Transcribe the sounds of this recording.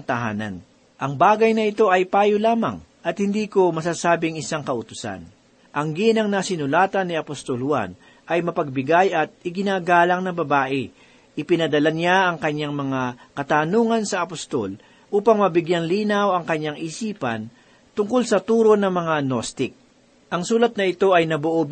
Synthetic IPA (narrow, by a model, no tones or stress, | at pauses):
nt̪ɐɦa̰ːnɐ̰n | ʔɐŋbaːɡɐjnɐɪt̪o̞ʔɐjpaːjolaːmɐ̰ŋ | ʔɐt̪̚hɪnd̪iːko̞mɐsaːsaːbɪŋɪsaŋkɐʔʊt̪ʊ̥sa̰n | ʔɐŋɡinɐŋnɐsɪnʊlaːt̪ɐnːɪɐpost̪olhwa̰n | ʔɐjmɐpɐɡ̚bɪɡajɐt̪̚ɪɡɪnaːɡaːlɐŋnɐbɐbaːʔɪ | ʔɪpɪnɐd̪ɐlanjaʔɐŋkɐɲːaŋmɐŋakɐt̪aːnuːŋɐnsɐʔɐpost̪o̰l | ʔuːpɐŋmɐbɪɡjaŋliːnɐwɐŋkɐɲːaŋʔisiːpɐ̰n | t̪ʊŋkolsɐt̪uːɾo̞nɐŋmɐŋanost̪ɪk̚ | ʔɐŋsuːlɐt̪̚nɐɪt̪o̞ʔɐjnɐboʔob